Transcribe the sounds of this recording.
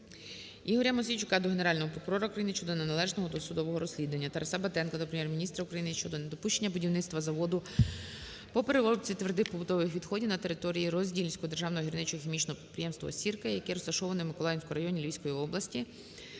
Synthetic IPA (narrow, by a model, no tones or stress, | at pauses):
iɦɔɾʲɐmɔsʲit͡ʃʊkɑd̪ɔɦe̞ne̞ɾɑlʲnɔɦɔpɾɔkʊɾɔɾɐukɾɐjinɪʃt͡ʃɔd̪ɔnenɐlˠɛʒnɔɦɔd̪ɔsʊd̪ɔʋɔɦɔɾɔsʲlʲid̪oʋɐnʲːɐt̪ɐɾɐsɑbɐt̪ɛnkɐt̪ɐpɾemjɛrmʲinʲist̪ɾɐukɾɐjinɪʃt͡ʃɔd̪ɔned̪ɔpuʃt͡ʃe̞nʲːɐbʊdʲiwnɪt̪st̪ʋɐzɐʋɔd̪ʊ | pɔpeɾeʋɔlt͡sʲit̪ʋerd̪ɪxpɔbʊt̪ɔʋɪxʋʲid̪xɔdʲiwnɐt̪e̞ɾɪt̪ɔɾʲijiɾɔzʲdʲilʲsʲkɔd̪e̞rʒɑwnɔɦɔɦʲirnɪt͡ʃɔɦixemʲit͡ʃnɔɦɔpʲi̥t̪̚pɾʲɪjɛmst̪ʋɔ̰ːsʲirkejɐkɛɾɔst̪ɐʃɔʋɐnɔmɪkɔlˠɑjinsʲkɔɾɐjɔnʲilʲisʲkɔjiɔblˠɐsʲtʲi